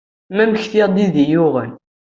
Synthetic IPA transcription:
mæməçθiʁd̪iðijʊʁæl

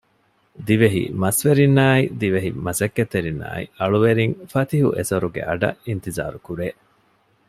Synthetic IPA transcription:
d̪iʋeɦḭmɐsʋeɾinːaːid̪iʋeɦimɐsɐkːet̪eɾinːa̰ːḭɐɭuʋeɾiŋfɐt̪iɦṵʔesɐɾuɡḛʔɐɖɐ̰int̪iza̰ːɾukuɾeː

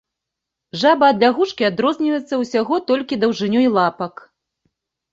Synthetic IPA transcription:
ʐabɐːd̪lʲaɣut͡ʂkʲiad̪ɾɔzʲnʲivjɛt̪sːɐwsʲaɣɔt̪ɔlʲkʲid̪ɐwʐɨnʲuilˠapɐk

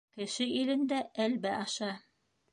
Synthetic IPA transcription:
kɘ̆ʃɘilɘ̆nd̪æʔælbæʔɑʃɑ

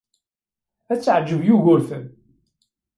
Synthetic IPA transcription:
æt͡sːʕd͡ʒːəvjuʝʊɾθən

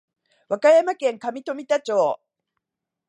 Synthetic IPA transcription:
βakajamakẽ̞ŋkamʲit̪o̞mʲit̪at͡ɕoː

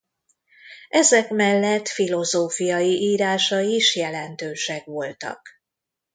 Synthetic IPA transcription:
ʔɛzɛkmɛlːɛt̪filo̞zoːfijɒjiʔiːɾaːʃɒiʃjɛlɛnt̪øːʃɛkʋo̞lt̪ɒ̰k

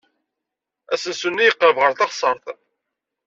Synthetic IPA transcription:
æsənsunːijəqːəvʁəɾθɑχsˤəɾˤθ

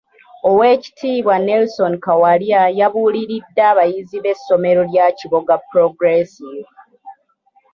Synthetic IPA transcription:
o̞weːci̥tʰiːβwanelso̞nkawaljajaβuːliɾidːaːβajiziβe̞sːo̞me̞ɾo̞ljaciβo̞ɡapɾoɡɾesiv

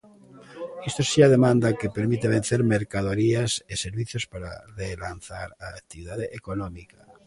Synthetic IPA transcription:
est̪osiað̞emãnd̪akepeɾmit̪eβ̞en̟θeɾmeɾkað̞oɾiaseseɾβiθjospaɾa̰relanθaɾaːk̚t̪iβiðaðeʔekonomika

